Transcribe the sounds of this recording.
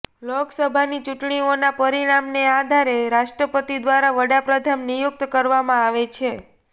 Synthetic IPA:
loksəbʱanit͡ʃuʈɳionapəɾiɽ̃amnead̪ʱaɾeɾaʃʈɾəpət̪id̪ʋaɾaʋəɽapɾəd̪ʱamnijuk̚t̪kəɾʋamãaʋet͡ʃʰe

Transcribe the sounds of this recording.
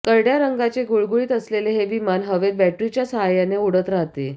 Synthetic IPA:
kəɾɽjaɾəŋɡat͡seɡuɭɡuɭiːt̪əsleleɦeʋimanɦəʋed̪̚bæʈɾit͡ɕjasəɦajaneuɽət̪ɾaɦt̪e

